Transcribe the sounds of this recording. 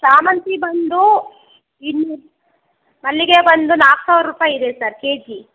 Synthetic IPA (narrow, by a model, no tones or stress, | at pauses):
saːmɐnt̪ibɐnd̪u | inːu | mɐlːiɡebɐnd̪unaːku̥saːʋɾɾuːpaːjid̪esɐɾke̞ːd͡ʒi